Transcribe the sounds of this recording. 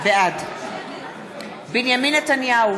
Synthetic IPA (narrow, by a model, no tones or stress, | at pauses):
vɛad̪ | biniaminataniau